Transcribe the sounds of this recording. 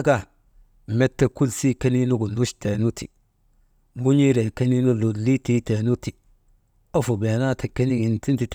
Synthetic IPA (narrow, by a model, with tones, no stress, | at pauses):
ka˨ | me˦tːe˦ku˦lsi˦ke˦ni˦nu˦ɡu˨nu˦ʃte˨nu˦ti˨ | mu˦ɲi˦ɾe˨ke˦ni˦nu˦lu˨li˦ti˦te˨nu˦ti˨ | o˦fu˨be˨na˦tʰe˨ke˦ni˦ŋi˨nti˦nti˨t